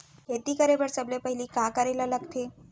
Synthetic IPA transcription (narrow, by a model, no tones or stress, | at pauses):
et̪iːkəɾebəɾt͡səblepəɦiliːkakəɾelaləɡt̪ʰe